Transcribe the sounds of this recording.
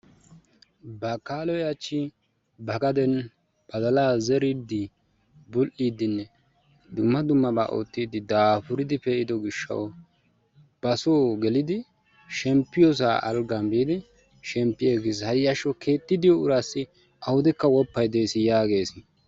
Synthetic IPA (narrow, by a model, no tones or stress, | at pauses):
bɐkːaːlɔjɐt͡ʃːi | bɐɡɐd̪ɛn | b̥ɐd̪ɐlaːzɛɾɪd̪ɪ | bʊlʔiːd̪ɪnːɛ | d̪ʊmːɐd̪ʊmːɐba̰ːʔo̰ːt̪ːiːd̪ɪd̪aːpʊɾɪd̪ɪpɛʔɪd̪ɔɡɪʃːɐ̰w | b̥ɐsoːɡɛlɪd̪ɪ | ʃɛmpːɪjɔs̬aʔɐ̰lɡɐmbiːd̪ɪ | ʃɛmpːɪjeːɡɪshɐjɐʃɔkʰe̞ːt̪ːɪd̪ɪjɔʊɾasːɪ | ʔɐhʊd̪ɛkːɐwɔpːɐjd̪eːsɪjaːɡe̞ːsɪ